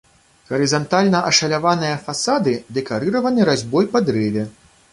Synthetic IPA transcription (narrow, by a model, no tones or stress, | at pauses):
ɣɐɾɨzant̪alʲnɐʔɐʂɐlʲavanɨjɐfasad̪ɨd̪ɛkaɾɨɾɐvɐnɨɾazʲbɔjpɐd̪ɾɛvʲɛ